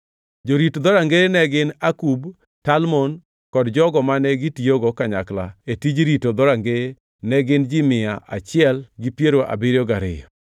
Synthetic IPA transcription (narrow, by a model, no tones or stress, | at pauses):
d͡ʒoɾitod̪ɔɾaŋɡenɛɡɪnakub | talmɔn | kɔdd͡ʒɔɡɔmanɛɡitijoɡokaɲakla̰etid͡ʒɾitod̪ɔɾaŋɡe | nɛɡɪnd͡ʒɪmɪaʔa̰t͡ʃɪɛlɡɪpjeɾoʔa̰bɪɾjɔɡaɾɪ̰jɔ